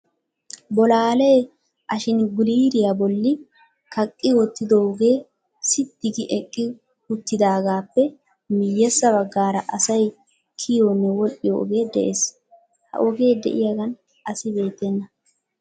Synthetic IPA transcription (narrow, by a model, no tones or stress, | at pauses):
bɔlaːleː | ʔɐʃɪnɡʊliːɾɪjabɔlːɪ | kɐkʼːɪwɔt̪ːɪd̪oɡe̞ː | sɪt̪ːɪɡɪʔɛkʼːɪ | hʊt̪ːɪd̪aːɡaːpːɛ | mɪjːɛsːɐβɐɡːaːɾɐʔɐsɐj | kʰɪjonːɛwɔlʔɪjɔɔ̰ɡe̞ːd̪ɛ̰ʔes | hɐ̰ʔɔɡe̞ːd̪ɛ̰ʔɪjaɡɐn | ʔɐsɪbe̞ːt̪ːɛnːɐ